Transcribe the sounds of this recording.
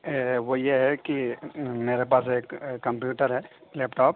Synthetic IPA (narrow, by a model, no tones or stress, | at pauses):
ʋojeɦɛkimeːɾepaːseːkːɐ̃mpjuːʈəɾɦɛleːpʈɔːp